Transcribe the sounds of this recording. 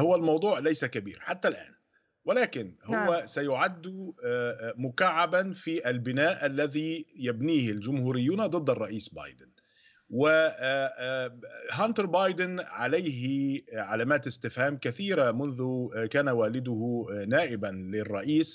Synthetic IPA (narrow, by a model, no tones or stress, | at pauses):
hʊwalmɑwd̪ˤuːʕlajsakabḭːɾħat̪ːalʔa̰ːn | wɪlaːkɪnhʊwːasajʊʕad̪ːʊ | mʊkaʕːabanfiːʔalbɪnaːʔalːaðiːjabniːhɪld͡ʒʊmhuːɾɪjːuːnad̪ˤɨd̪ːɑrˤːɑʔiːsbɑ̰ːjd̪ɪn | wɪ | ɦant̪ɾbɑːjd̪ɪnʕalajɦɪʕalaːmaːt̪ɪst̪ɪfhaːmkaθiːɾamʊnðʊkaːnawaːlɪd̪ʊhnaːʔɪbanlɪrˤːɑʔiːs